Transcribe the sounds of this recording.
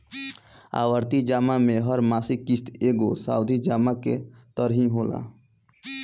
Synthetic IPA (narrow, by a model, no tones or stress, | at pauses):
a̰ːʋəɾt̪id͡ʒaːmamẽɦəɾmaːsikist̪eːɡosa̰ːʊd̪ʱid͡ʒaːmaket̪əɾɦĩɦola̰